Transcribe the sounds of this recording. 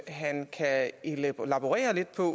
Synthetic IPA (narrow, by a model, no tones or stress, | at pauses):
ɦænkʰæellæb̥oʁɛ̰ːɐle̝d̥̚pʰɒ̽